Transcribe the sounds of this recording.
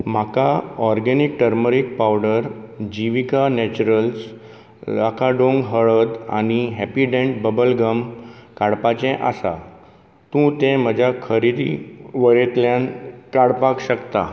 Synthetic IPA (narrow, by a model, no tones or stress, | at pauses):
m̤akaɔɾɡɛnik̚ʈəɾməɾik̚pawɖəɾd͡ʑiʋikanɛt͡ɕuɾəls | lakʰaɖoŋɡɦəɭəd̪a̰niɦɛpiɖẽɳʈ̚bəbəlɡəmkaɽpat͡ɕɛ̃ʔa̰sa̰ | t̪ũt̪ẽm̤əd͡ʑʱjakʰəɾid̪ḭʋəɭet̪ljãnkaɽpakɕəkt̪a̰